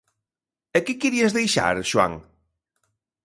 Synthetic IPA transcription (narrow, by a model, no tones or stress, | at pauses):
ekɪkiɾiezðejʃa̰ɾʃwa̰ŋ